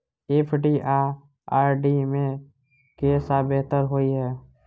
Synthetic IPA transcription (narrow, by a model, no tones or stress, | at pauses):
epʰɖiʔaː | aːɾɖimẽ | keːsabeɦt̪əɾɦoːiɦɛː